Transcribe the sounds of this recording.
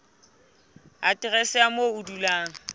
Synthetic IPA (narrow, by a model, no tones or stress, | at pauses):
atʼɪɣɛsɪamoʊdulaːŋ̩